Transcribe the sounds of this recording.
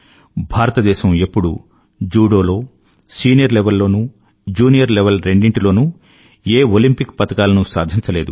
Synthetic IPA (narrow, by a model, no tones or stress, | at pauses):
bʱaːɾɐt̪ɐd̪ɛːʃɐmepːuɽṵ | d͡ʒuːɽo̞ːlo̞ː | siːnijɐɾlɛʋɐlːo̞ːnu | d͡ʒuːnijɐɾlɛʋelɾe̞ɳɖiɳʈilo̞ːnu | eːolimpikpɐt̪ɐkaːlɐnusa̰ːd̪ʱiɲt͡ʃɐleːd̪ṵ